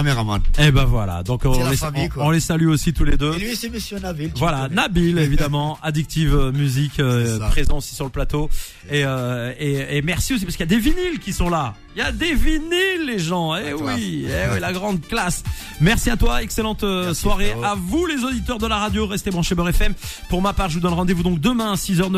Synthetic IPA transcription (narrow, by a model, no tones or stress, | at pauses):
meamaebɛ̃vwa̰la̰d̪ɔ̃kɔ̃eiɔ̃lesalyosit̪uled̪øseməsjønabilvvwalanabilevid̪amɑ̃ad̪ik̚t̪ʰivmyzikøpχezɑ̃osi̥syʁləplat̪o | eøeemɛʁsios̬ipaʁskəjad̪evinilkʲisɔ̃la | jad̪evinilːeʒɑ̃ewiewilaɡʁɑ̃d̪̚klas | mɛʁsiat̪waɛkselɑ̃t̪swaʁeavulezod̪it̪œʁd̪əlaʁad̪joʁɛst̪ebʁɑ̃ʃebœʁɛfɛmpuʁmapaʁʒəvud̪ɔnʁɑ̃d̪evud̪ɔ̃k̚d̪əmɛ̃sizœʁn